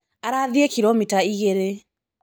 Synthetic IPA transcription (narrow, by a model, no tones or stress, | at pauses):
aɾaðiekiɾomitaiɣeɾe